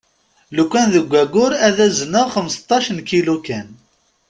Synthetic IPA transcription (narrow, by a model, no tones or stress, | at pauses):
lukʷːænðəɡʷːæɡʊɾæðæzənəʁχəmst̪ˤːɑʃənkilukæn